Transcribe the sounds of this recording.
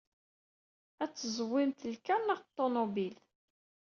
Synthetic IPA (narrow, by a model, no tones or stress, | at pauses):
æt͡sːəzəwːɪmt̪əlkænnəʁt̪ˤːonobil